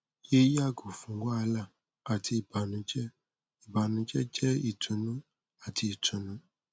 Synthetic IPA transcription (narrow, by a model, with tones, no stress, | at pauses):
je˦ja˦ɡu˨fũ˨ŋ˦ɡa˦a˨la˦ | a˨tʰi˦˨ba˨nʊ̃˨t͡ʃɛ˦ | i˨ba˨nʊ̃˨t͡ʃɛ˦t͡ʃɛ˦i˨tʰu˨nu˦ | a˨tʰi˨tu˨nʊ̃˦